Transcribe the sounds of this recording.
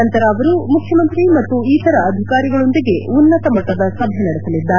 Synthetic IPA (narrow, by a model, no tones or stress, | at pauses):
ɐnt̪ɐɾɐːʋɐɾumukʰjɐmɐnt̪ɾimɐt̪ːuiːt̪ɐɾɐɐd̪ʱikaːɾiɡɐɭo̞nd̪iɡe̞unːɐt̪ɐmɐʈːɐd̪ɐsɐbʱjɐnɐɽesɐlid̪ːɐ